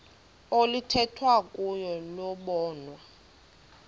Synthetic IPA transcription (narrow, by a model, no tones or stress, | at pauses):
olitʰɛtʰwakʼujɔlɔɓɔːnwa